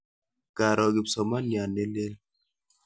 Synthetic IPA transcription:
ka˨ɾɔ˨ɡi˨psɔ˨ma˦nja˨ne˦le˦l

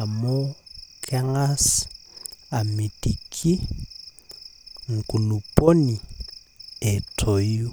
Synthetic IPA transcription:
a˨mo˦kʰʼɛ˦ŋa˦s | a˨me˨di˨kʰʼi˦ | ŋ̩˨kʼu˨nu˨pʼo˦ni˨ | ɛ˨tʰo˨i˦

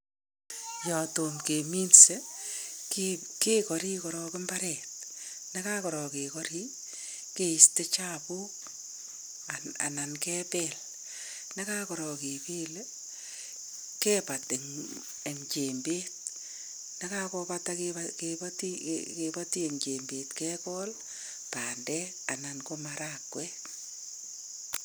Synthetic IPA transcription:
jɔ˨to˨mke˨mi˦nse˦kke˦kɔ˨ɾi˦kɔ˨ɾɔ˨kɪ˦mba˦ɾɛt̚ne˦kakɔ˨ɾɔ˨ke˨kɔ˦ɾi˦ | ke˨i˨ste˦t͡ʃa˦pu˦k̚ | aa̰˨na˨nkɛ˦pɛl | ne˦ka˦kɔ˨ɾɔ˨ke˨peː˦le˦ | kɛ˦pa˨te˨ | e˨ŋt͡ʃe˨mbe˦t̚ | na˦ka˦kɔ˦pa˦ta˦kkpa˦tḭke˨ba˦ti˦e˨ŋt͡ʃe˨mbe˨tkɛ˦kɔ˦l | paː˨ndɛ˦ | a˨na˨nko˦maɾa˦kwɛ˦

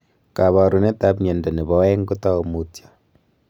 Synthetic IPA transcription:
ka˨βa˨ɾu˨ne˦ta˦pɲɛ˨ndɛ˨ne˨bɔ˦wɛ˦ŋɡu˦tɔ˦˨mu˨tjḁ

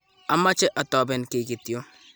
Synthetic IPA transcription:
a˦ma˦t͡ʃɛ˦ʔɐ˨tɔː˨bɛ˨nke˨ki˨t̪jo˦

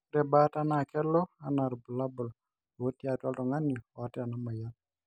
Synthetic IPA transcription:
ɾɛ˨ba˦ta˦na˦˨kɛ˦lɔ˦a˨na˨ɾbu˨la˦bʊ˨l | wo˦tja˨twɔ˦ltɔ˨ŋa˦niɔ˨a˨tɛ˦a˨na˦ma˨ja˦t̚

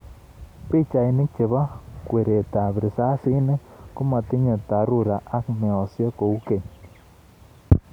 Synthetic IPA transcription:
pi˦t͡ʃa˨i˨nɪ˦k̚t͡ʃe˨βa˦kwe˨ɾe˨ta˨bɾɪ˨sa˦si˦nɪ˦ku˦ma˨tɪ˦ɲe˨ta˨ɾu˦˨ɾa˨ʔa˦kmɛ˨ɔ˨sje˦ko˨u˦ke˨ɲ

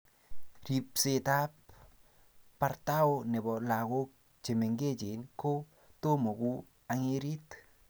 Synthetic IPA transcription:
ɾi˨p̚se˧t̪a˦p | a˧ɾt̪a˦wne˨bɔ˨la˨ɣo˦k̚ | t͡ʃe˨me˨ŋɡe˦t͡ʃi˨nko˦ | t̪o˦mo˨ɡu˦ | a˧ŋe˧ɾi˦t̪

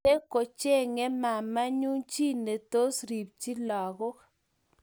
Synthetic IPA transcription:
e˦ko˨t͡ʃe˦ŋɛ˦ma˨ma˦ɲu˦ŋt͡ʃi˦ne˨t̪o˦sɾi˨p̚t͡ʃi˦lɔ˨ɡʊ˦k

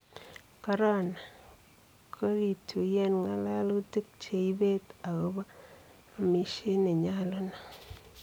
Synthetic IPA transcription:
ka˦ɾa˦na˨ | kʰɔ˦ɾi˨tʰu˨jɛ˦nŋa˦la˦lti˦k̚t͡ʃe˨i˦be˦ta˨ɣo˦baː˦˨ | mi˨ʃe˦ne˨ɲa˦lo˦na˨

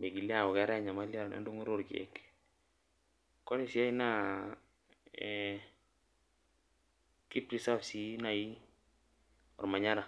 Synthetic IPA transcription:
me˨ɡi˨li˦a˦ɔ˨ɡɛ˨˦ɾa˦ɲa˨ma˦la˦ɾna̰˨ndu˦ŋu˦ɾu˦ɾɡḭ˨ɛ̰˨k | kɔ˦ni˦˨si˨a˦i˦na˦ | ki˦pɾi˨sa˦fsi˦na˨ji˦ | ɔ̰˨ɾma˨ɲa˦ɾa˨

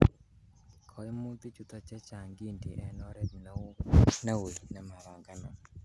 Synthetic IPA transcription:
kʰɔ˨˦jmu˦t̪i˦t͡ʃu˨t̪ɔ˧t͡ʃɛ˦t͡ʃa˨ŋɡi˦˨nt̪i˨ʔɛ˧nɔ˦ɾe˦t̚n˦na˦wo˨jna˧˦ma˨ɾa˨ŋɡa˦nɔ˨

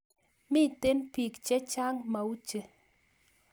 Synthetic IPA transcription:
mɪ˦˨t̪e˦npi˨kt͡ʃe˦t͡ʃa˦ŋma˨u˦t͡ʃe˨

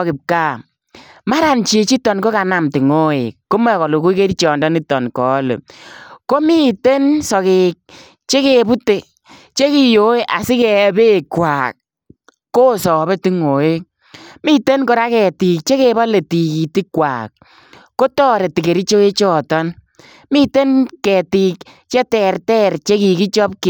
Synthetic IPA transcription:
kɪ˨p̚kaː˦˨ | ma˦ɾa˨nt͡ʃe˨t͡ʃi˦tɔ˨nko˦ka˨na˨mti˨ŋo˦ḛ˨ko˦mɛ˦˨kɔ˨lo˨ku˦i˦ke˦ɾi˦t͡ʃɔ˨ndɔ˦ni˦tɔ˨nkɔ˨˦lo̰˨ko˦mi˦te˦nsɔ˨ke˨k̚ | t͡ʃe˦ke˨pu˦te˨ | t͡ʃe˦ki˦˨jo˦e˦ʔa˨sɪ˦kɛ˨˦be˦˨kwa˨k̚ː | o˦sɔ˨be˦ti˦ŋo˨e˦ | mi˦te˦nko˨ɾa˦kɛ˨ti˨k̚t͡ʃe˦ke˨ba˦le˨ti˨ki˨ti˦kːwa̰ːk̚ː | o˦tɔː˦ɾe˨ti˨ke˨ɾi˦t͡ʃo˦e˦t͡ʃɔ˦˨tɔ˦n | mi˦te˦nkɛ˨ti˨k | t͡ʃɛ˦tɛ˨ɾtɛ˦ɾt͡ʃe˦ki˨ki˦t͡ʃɔ˦p̚k

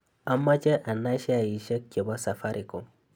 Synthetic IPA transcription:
a˨mːa˦t͡ʃe˦ʔa˨nːa˦ʃe˦a˨ji˨ʃe˦kʲːe˨ba˦sa˨fa˦ɾʔi˨ko˨

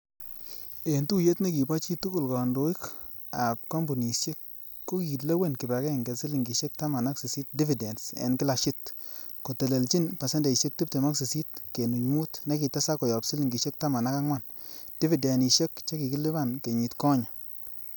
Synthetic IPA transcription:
e˨ntu˦je˦tne˦ki˨ba˦t͡ʃi˦tu˦ku˦˨lkɔ˨ndo˦i˦k | a˨p̚ka˦mbu˨ni˨ʃe˦kː | o˦ki˨le˦we˦˨nki˨ba˨kɛ˦˨ŋɡe˨si˦li˨ŋɡi˨ʃe˦k̚ta˦ma˨na˦ksi˨si˦t̚di˦fi˨de˨nsḛ˨nki˦la˨ʃɪ˦tko˨te˨le˨lt͡ʃi˦npa˨se˦ndɛ˨i˨ʃe˦k̚ti˦p̚te˨ma˦ksi˨si˦tke˨nu˨ɲmu˦tna˦ki˨ta˦sa˦kɔ˨jɔ˨psi˦li˨ŋɡi˨ʃe˦k̚ta˦ma˨na˦ka˦ŋwa˦˨n | d̥i˦fi˨de˨ni˨ʃe˦kt͡ʃa˦ki˨ki˦lɪ˦ba˦˨nke˨ɲi˨tkɔ˦ɲa˨

